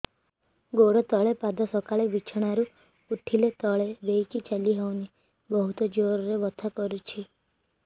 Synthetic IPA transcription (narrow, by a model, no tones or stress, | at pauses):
ɡoɽɔt̪ɔɭepad̪ʱɔsɔkaɭebit͡ʃʰɔɽ̃aɾu | uʈʰilet̪ɔɭebejkit͡ʃaliɦɔwni | bɔɦut̪ɔd͡ʒoɾɔɾebɔt̪ʰakɔɾut͡ʃʰi